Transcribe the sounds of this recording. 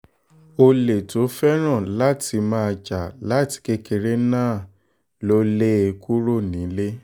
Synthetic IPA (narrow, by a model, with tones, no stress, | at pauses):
o˧le˨to˨˦fɛ˦ɾ̃ã˦˨la˦tʰi˧mãː˦a˧d͡ʒa˨la˦ti̥˧ke˦ke˧ɾe˦nãː˦˨ | lo˦le˦e˧kʰu˦ɾo˦˨nĩ˨˦le˦